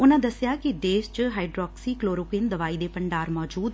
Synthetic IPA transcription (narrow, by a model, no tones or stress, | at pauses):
ʊnãːd̪əsjaːkɪd̪eːst͡ʃəɦaːiɖɾɔːksiːkloːɾoːpiːnd̪əʋaːiːd̪eːpəɳɖaːɾmɔːd͡ʒuːd̪